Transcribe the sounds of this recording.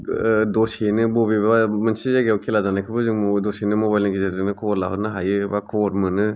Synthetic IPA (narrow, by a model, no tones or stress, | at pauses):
dosenɯbobibamɯnsizaɡeawkʰelazanakʰɯbɯziŋmɔdosenɯmobajlnɯkʰizaɯnɯkʰɔɾlaɦɯnɯɦajɯbakʰɔɾmɯnɯ